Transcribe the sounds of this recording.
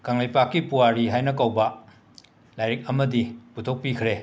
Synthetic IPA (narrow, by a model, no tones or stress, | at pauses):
kaŋlajpakːipuwaɾiɦajnɐk̬awbɐ | lajɾik̚ɐmɐdiputʰok̚pikʰɾe